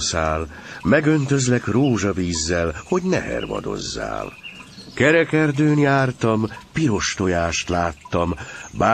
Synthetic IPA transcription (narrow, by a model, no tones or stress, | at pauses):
saːl | mɛɡø̞nt̪ø̞zlɛkroːʒɒviːzːɛlho̞ɟnɛ̰ɦɛ̰rvɒ̰d̪o̞̰zːa̰ːlkɛɾɛkɛrd̪øːnjaːrt̪ɒmpiɾo̞ʃt̪o̞jaːʃt̪laːt̪ːɒmbaː